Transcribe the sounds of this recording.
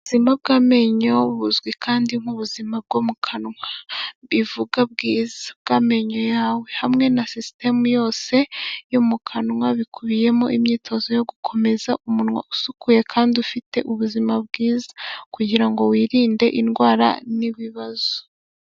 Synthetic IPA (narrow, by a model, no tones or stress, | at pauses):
uzimab̚ɡaːme̞ɲo̞βuzɡwikʰaːndiŋ̥uβuzimab̚ɡomukʰanŋwaβivuɡab̚ɡiːzab̚ɡaːme̞ɲojaːwe̞hamŋe̞nasiste̞mujo̞ːse̞jomukʰanŋwaβikuβije̞moʔimɲiːtʰo̞zo̞jo̞ɡukʰo̞me̞zaumunŋwa̰usukʰuje̞kʰaːndiufite̞ʔuβuzimab̚ɡiːzḁkuɟiɾaŋɡo̞wiːɾiːnde̞ʔinɡwaːɾa̰niβiβaz̥o̥